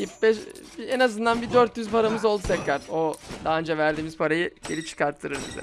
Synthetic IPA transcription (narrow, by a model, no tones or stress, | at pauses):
jibɛʃenazɯnd̪anbid̪øɾt̪jyzpʰaɾamɯzo̞lˠd̪ut̪ʰɛcɾæɾ̥od̪aːɯnd͡ʒavæɾd̪iːmizpʰaɾajɯɟ̥e̞lip̚t͡ʃʰɯ̥kʰaɾt̪ʰːɯɾɯɾbḭzɛ̰